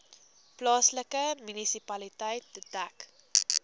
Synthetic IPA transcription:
plɑːsləkəmynisipɐlitɐjt̚ːədæk

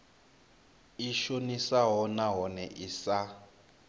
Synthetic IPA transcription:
iʃonisaɦɔnaɦɔnɛʔisa

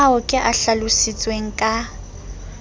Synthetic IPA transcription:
aʊkʼɪʔaɬalʊsit͡sʼweŋ̩kʼa

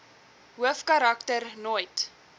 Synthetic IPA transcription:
ɦuəfkɐɾɐktərnojt

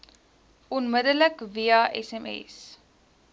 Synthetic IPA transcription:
ɔnmədələkviɑʔɛ̰sɛmɛ̰s

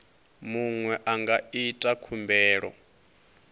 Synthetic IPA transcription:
muŋwɛʔaŋɡaitʼakʰumbɛːɺɔ̰

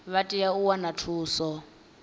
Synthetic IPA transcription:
βatʼijauwanatʰuːsɔ

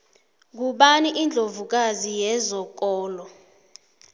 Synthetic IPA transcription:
k̬uɓaniʔind͡ɮʱovuk̬azijɛzɔk̬ɔːlɔ

